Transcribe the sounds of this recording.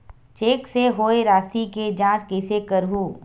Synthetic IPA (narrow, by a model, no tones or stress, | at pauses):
t͡ʃeːkseɦoːeɾaːsiked͡ʒãːt͡ʃkɛsekəɾɦuː